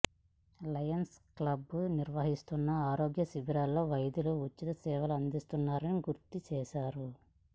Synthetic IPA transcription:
lɐjɐnsklɐbuniɾʋɐɦist̪unːɐaːɾo̞ːɡjɐsibiɾaːlːo̞ːʋɐjd̪uluut͡ʃːit̪ɐsɛːʋɐluɐnd̪ist̪unːaːɾɐniɡuɾt̪it͡ʃɛːʃaːɾu

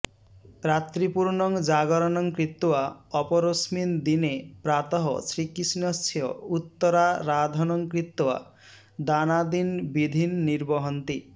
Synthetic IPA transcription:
ɾat̪ɾipuɾnɔŋd͡ʒaɡɔɾɔnɔŋkɾit̪waɔpɔɾosmind̪inepɾat̪ɔɦɔ̰sɾikisinɔstʰjɔ̰ut̪ːɔɾaɾad̪ʱɔnɔŋkɾit̪ːwa̰ | d̪anad̪inbid̪ʱinːiɾbɔɦɔnt̪i

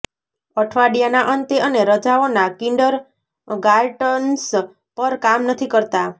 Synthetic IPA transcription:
əʈʰʋaɽijanaʔənt̪eəneɾəd͡ʒaonakiɳɖəɾ | ɡaɾʈəns | pəɾkamnət̪ʰikəɾt̪a

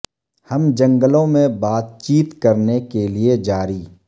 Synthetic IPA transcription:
hɐmd͡ʒɐ̃ŋɡəlõmẽbaːt̪̚t͡ʃiːt̪kɐɾnekelied͡ʒaːɾiː

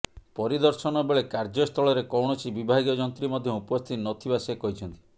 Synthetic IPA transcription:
pɔɾid̪ɔɾsɔnɔbeɭekaɾd͡ʒɔst̪ʰɔɭɔɾekɔwɳ̃ɔt͡ʃʰibibʱaɡiɔd͡ʒɔnt̪ɾimɔd̪ʱjɔupɔst̪ʰit̪nɔt̪ʰibasekɔɦit͡ʃʰɔnt̪i̥

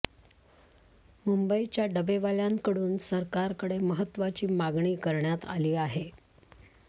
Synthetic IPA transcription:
mumbəit͡ɕjaɖəbeʋaljaŋkəɽuːnsəɾkaɾkəɽeməɦət̪ːʋat͡ɕiːmaɡɳiːkəɾɳjat̪a̰liːaɦe

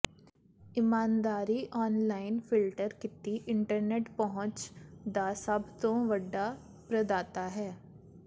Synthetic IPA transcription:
ɪmaːnd̪aːɾiːʔɔːnlaːɪnfʰɪlʈəɾkɪt̪iʔɪɳʈəɾneːʈpəɦʊ̃t͡ʃd̪aːsəbt̪õːʋəɖːaː | pɾəd̪aːt̪aːɦɛː

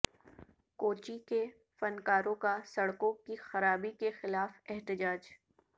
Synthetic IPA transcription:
koːt͡ʃike | fɐnkaːɾõkasɐɽkõkixɐɾaːbikexɪlaːfɛɦt̪ɪd͡ʒaːd͡ʒ

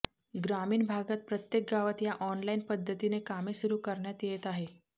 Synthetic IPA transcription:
ɡɾamiːnbʱaɡat̪̚pɾət̪jek̚ɡaʋət̪jaʔɔnlainpəd̪ʱːət̪inekamesuɾuːkəɾɳjat̪jet̪aɦe

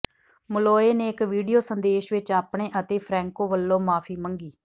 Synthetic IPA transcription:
mʊloːeːneːɪkʋiːɖijoːsənd̪eːʃʋɪt͡ʃaːpɳeːʔət̪eːpʰɾɛ̃ːŋkoːʋəlːõːmaːpʰiːməŋɡiː

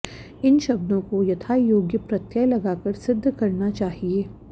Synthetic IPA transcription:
ɪnʃɐbd̪õkojɐt̪ʰaːjoːɡjəpɾɐt̪jalɐɡaːkɐɾsɪd̪ʱːkɐɾnat͡ʃaːɦieː

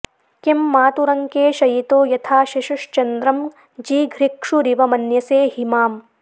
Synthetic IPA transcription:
kimːaːt̪uɾɐŋkeːʃɐjit̪oːjɐt̪ʰaːʃiʃuʂt͡ʃɐnd̪ɾɐm | d͡ʒiːɡʱɾikʂuɾiʋɐmɐnjɐseːɦimaːm

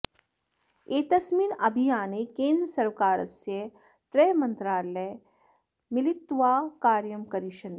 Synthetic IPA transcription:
eːt̪ɐsmiːnɐbʱijaːnekẽːnd̪ɾəsɐɾʋkaːɾɐ̰sjə | t̪ɾemɐnt̪ɾaːlej | milit̪ːʋaːkaːɾjɐmkɐɾiʃɐn

